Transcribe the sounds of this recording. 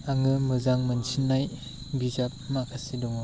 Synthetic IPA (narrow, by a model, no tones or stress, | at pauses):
aŋɯmɯzaŋmɯnsinːaj | bizap̚makʰasidɔŋ